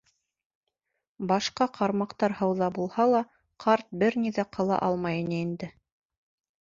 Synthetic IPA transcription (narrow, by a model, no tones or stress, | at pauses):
bɑʃqɑqʰɑɾmɑqt̪ɑɾhɤ̆wðɑbulˠhɑlˠɑ | qʰɑɾt̪̚bɘɾniðæqʰɤ̆lˠɑ̰ʔɑlˠmɑjɤnɘind̪ɘ